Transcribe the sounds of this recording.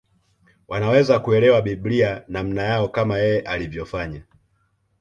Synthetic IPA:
wʔanawɛzakuɛlɛwaɓiblianam̩najaɔkamajɛjɛʔalivjɔfaɲa

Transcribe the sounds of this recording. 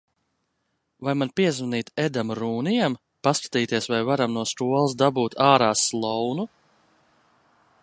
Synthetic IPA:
vajmanpiɛzvaniːt̪ɛd̪amɾuːnijam | paskḁt̪iːt̪iɛsvajvaɾamnuɔst̪uɔlˠsd̪abuːt̪ʰaːɾaːslˠɔwnu

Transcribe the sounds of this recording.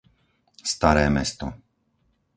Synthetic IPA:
st̪aɾɛːmɛ̰st̪ɔ

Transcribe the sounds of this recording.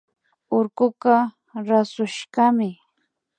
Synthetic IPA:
ʊɾkʊqɑ | ɾasʊʃɢɑmɪ

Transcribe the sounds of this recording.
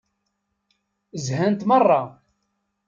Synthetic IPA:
zhænt̪mərˤːɑ

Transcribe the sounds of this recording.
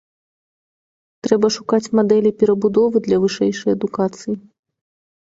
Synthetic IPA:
t̪ɾɛbɐʂukat͡sʲmad̪ɛlʲipʲɛɾɐbud̪ɔvɨd̪lʲɐvɨʂɛjʂɐjɐd̪ukat̪sɨji

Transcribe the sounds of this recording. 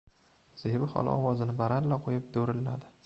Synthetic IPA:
z̥ebɪχɒ̰lˠɪ̰ɒwɒzɪnɪbaɾanlaqʰojɪp̚d̪oɾɪlːa̰d̪ɪ

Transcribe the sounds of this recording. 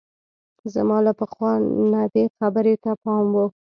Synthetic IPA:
zamɑlapəxwɑnabexabəɾet̪apɑmwə

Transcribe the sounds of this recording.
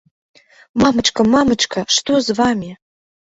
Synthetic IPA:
mamɨʈ͡ʂkɐmamɨʈ͡ʂkʰɐʂt̪ozvamʲi

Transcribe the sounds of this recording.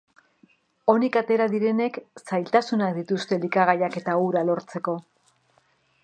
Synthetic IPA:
o̞nikat̪e̞ɾaðiɾe̞ne̞ksajlt̪asunakd̪it̪ust̪e̞likaɣajake̞t̪auɾalo̞ɾt͡se̞ko̞

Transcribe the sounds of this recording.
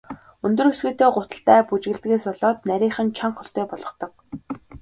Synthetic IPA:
ɵnt̪ɵ̆rɵsɡɘ̆ːt̪eːɢʊt̪ə̥̆ɬt̪æːput͡ɕɣɘ̆ɮt̪ɡeːsʊɮɔːt̪næɾʲiːχə̆nt͡ɕʰaɴχʊɬt̪eːpɔɮɞ̆χt̪ɞ̆k̚

